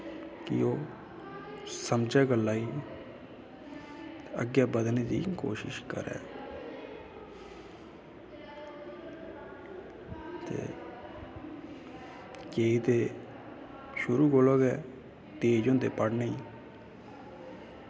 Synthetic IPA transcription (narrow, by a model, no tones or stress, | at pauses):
kɪ̰oː | səmd͡ʒɛːɡəlːaːiː | t̪eəɡjaːbəd̪neːd̪ḭːko̰ːʃɪ̰ʃkə̰ɾɛ̰ː | t̪ḛː | keːit̪eː | ʃʊɾuːɡoːloːɡɛː | t̪eːd͡ʒõːnd̪eːpəɽneiː